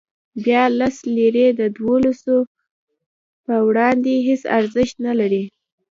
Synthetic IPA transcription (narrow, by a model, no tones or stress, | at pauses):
bjɑlasleɾed̪əd̪wolaso | pəwɽɑnd̪eɦesa̰ɾzəʃt̪nalaɾi